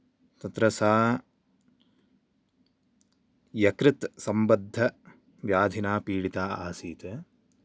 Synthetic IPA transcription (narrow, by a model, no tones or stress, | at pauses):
t̪ɐt̪ɾɐsaː | jɐkɾɪt̪sɐmbɐd̪ʱːɐ | ʋjaːd̪ʱinaːpiːɽit̪aːaːsiːt̪e